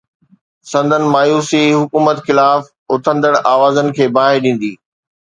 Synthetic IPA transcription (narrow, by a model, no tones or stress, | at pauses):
sɐ̃nd̪ʱənɪ̆maːjuːsiɦʊkuːmət̪xɪlaːf | ʊt̪ʰə̃nd̪əɽ̃ʔaːʋaːzənɪ̆kʰeːbaːɦɪɾɗĩːn̆d̪iː